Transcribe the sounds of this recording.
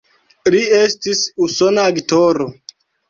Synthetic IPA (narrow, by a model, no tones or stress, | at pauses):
liestisusonaːɡtoɾo